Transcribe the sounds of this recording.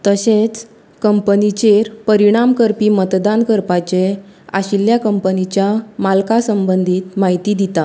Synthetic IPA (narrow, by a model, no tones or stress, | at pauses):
t̪əset͡s | kəmpnit͡ɕeɾpəɾiɽ̃amkəɾpiːmət̪d̪ankəɾpat͡ɕea̰ɕiljakəmpənit͡ɕjamalkasəmbənd̪ʱiːt̪maɦit̪iːd̪it̪a